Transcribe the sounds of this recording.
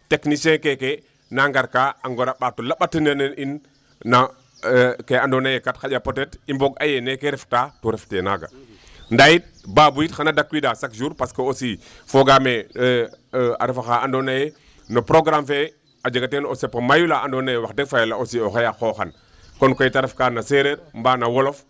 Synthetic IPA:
teknisẽkeke | naŋɡaɾkaaŋɡoɾaɓatolaɓatənənənin | na | keandonajekatxaɟapotetimboɡajenekeɾeftatoɾeftena̰ɡa̰ | ndajit̚baːbujitxanadakːwidaːsakʒuːɾpaskoosifoɡame | a̰ɾefaxaandonaje | nopɾoɡɾamfe | ad͡ʒaɡatenosepːɐmajulaʔandonajewaxdek̚fajelaosioxajaxoxan | konkojitaɾefkanaseɾeɾmbaːnawolof

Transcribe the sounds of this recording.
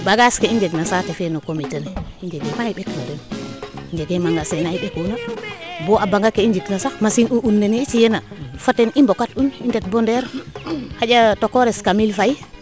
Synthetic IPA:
baɡaskeiɲd͡ʒeɡnasatɛfɛnokomiteneind͡ʒeɡemaiɓeknadoniɲd͡ʒeɡemaŋɡasenaiɓekunaboʔabaŋɡakeiɲd͡ʒiknasamasinuʔunːeniːt͡ʃijenafatenimbokatunindet̚bondɛɾhaɟatokoɾɛskamilfaji

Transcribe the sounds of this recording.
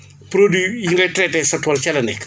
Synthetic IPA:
pɾodwijiŋɡɐjtɾɛtɛsɐtwɐlt͡ʃɛlɐnɛkː

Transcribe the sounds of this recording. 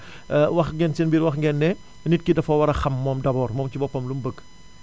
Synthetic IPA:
wɐxŋɡɛnsinbiɾwɐxŋɡɛnːɛ | nit̚kidɐfɐwɐɾɐxɐmːɔːmdɐbɔːrmɔːmcibɔpɐmlumbəɡ

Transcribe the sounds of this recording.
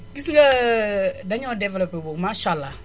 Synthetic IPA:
ɡisika | daɲɔdɛvɛlɔpebomaʃala

